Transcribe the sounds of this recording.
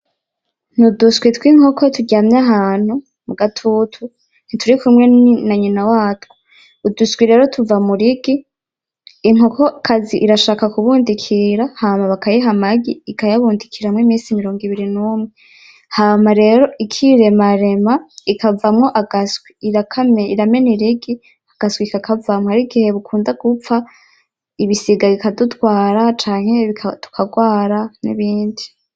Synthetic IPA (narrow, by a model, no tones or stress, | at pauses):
nudusɡwitwiŋ̥hokʰotuɟaːmɲaɦaːn̥hu | muɡatʰutʰu | n̥itʰuɾikumŋe̞naɲinawaːtwuː | dusɡwiɾe̞ːɾo̞tʰuvamuɾiɡiː | ŋ̥okʰokʰaziʔiɾaʃaːkakuβuːndikʰiɾahaːmaβakajiɦamaɡiikajaβuːndikʰiɾamwemiːsimiɾo̞ːŋɡiβiɾinumŋe | haːmaɾe̞ːɾo̞ʔikʰiɾe̞maɾe̞maikʰavamŋo̞ʔaɡaswiiɾakʰamiɾame̞niɾiɡi | aɡ̥aswikakavamoaɾiɡihe̞βukʰuːndaɡ̥up͡fa | iβisiɡaβikadutwaːɾat͡ʃaːŋ̥he̞βikʰatʰu̥kʰaɡwaːɾanḭβiːndi